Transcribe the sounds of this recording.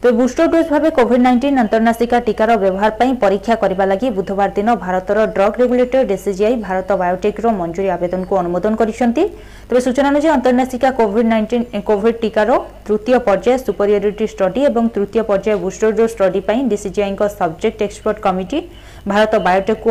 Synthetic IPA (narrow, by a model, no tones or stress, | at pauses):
t̪ebebusʈoɖosbʱabekobʱiɖnajɳʈinɔnt̪ɔɾnasikaʈikaɾɔbjɔbɔɦaɾpaĩpɔɾikʰːjakɔɾibalaɡibud̪ʱɔbaɾd̪inɔbʱaɾɔt̪ɔɾɔɖɾɔɡɾeɡuleʈɔɾɖesid͡ʒiajbʱaɾɔt̪ɔbajoʈekɾɔmɔnd͡ʒuɾiabed̪ɔnɔkuɔnumod̪ɔnɔkɔɾit͡ʃʰɔnt̪i | t̪ebesut͡ʃɔnanud͡ʒeɔnt̪ɔɾnasikakobʱiɖinkobʱiɖ̚ʈikaɾɔt̪ɾut̪ijɔpɔɾd͡ʒaesupɔɾjoɾiʈisʈɔɖiebɔŋt̪ɾut̪ijɔpɔɾd͡ʒaebusʈoɖosʈɔɖipaĩɖisid͡ʒiaiŋkɔsɔbd͡ʒek̚ʈekspɔɾʈkɔmiʈi | bʱaɾɔt̪ɔbajoʈekːu